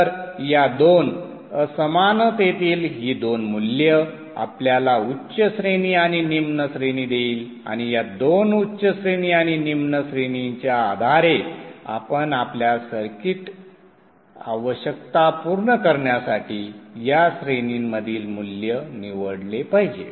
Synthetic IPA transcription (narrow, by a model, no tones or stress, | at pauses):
əɾjad̪on | əsəmanət̪jet̪iːlɦiːd̪onmuljə | a̰pljalautːɕəsɾeniːaɽ̃inimnəsɾeniːd̪eiːl | a̰ɽ̃ijad̪onutːɕəsɾeniːaɽ̃inimnəsɾeniɲt͡ɕjaːd̪ʱaɾea̰pənapljasəɾkiʈ | aʋəɕək̚t̪apuɾɳəkəɾɳjasaʈiːjasɾeniŋməd̪ʱiːlmuljəniʋəɽlepaɦid͡ʑḛ